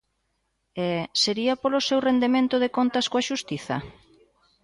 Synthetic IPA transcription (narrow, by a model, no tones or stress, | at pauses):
ɛseɾiɐpolosewrend̪emẽnt̪ʊðekont̪ɐskoaʃust̪iθɐ̰